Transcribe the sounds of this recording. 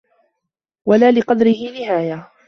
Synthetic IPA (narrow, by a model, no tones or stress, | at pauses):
walaːlɪqɑd̪ɾɪhɪnɪhaːja